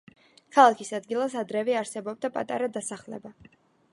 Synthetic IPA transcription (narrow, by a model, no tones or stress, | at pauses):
kʰalˠakʰisad̪ɡilˠasad̪ɾɛvɛaɾsɛbɔb̚d̪apʼa̰t̪ʼa̰ɾad̪asaχlɛ̰ba